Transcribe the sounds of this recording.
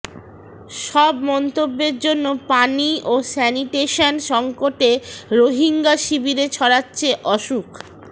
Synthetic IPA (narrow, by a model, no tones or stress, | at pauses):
ʃɔbmɔnt̪obːeɾd͡ʑonːopaniosɛniʈeʃonʃɔŋkoʈeɾoɦiŋɡaʃibiɾet͡ɕʰɔɽatːɕʰeʔɔʃuk